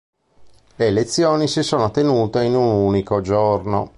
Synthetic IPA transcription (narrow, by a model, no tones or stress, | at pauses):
leːlet̪sːjoːnisisoːnot̪enuːt̪einunuːnikod͡ʒorno